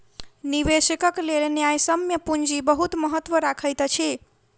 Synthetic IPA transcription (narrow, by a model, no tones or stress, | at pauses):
niʋesikəklelenjajsəmjəpund͡ʒibəɦut̪məɦət̪ːʋəɾakʰəjt̪t͡ʃʰi